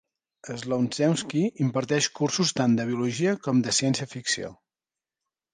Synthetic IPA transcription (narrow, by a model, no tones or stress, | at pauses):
əzlownzɛwskiimpəɾt̪ɛʃkursust̪and̪əβiuluʒiəkɔmd̪əsiɛnsiəfiksio̰